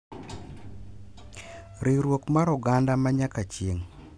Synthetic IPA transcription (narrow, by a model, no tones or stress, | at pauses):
ɾiɾwokmaɾɔɡandamaɲakat͡ʃjeŋ